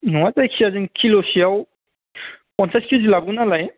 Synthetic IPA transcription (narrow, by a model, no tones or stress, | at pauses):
nuwatajkʰiazinkʰilosijaw | pɔnsaskʰuzilaɡunalaj